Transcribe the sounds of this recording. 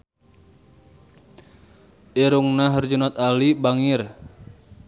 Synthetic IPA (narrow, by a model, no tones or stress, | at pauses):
ʔiɾuŋnaɦərd͡ʒunat̪alibaŋɪr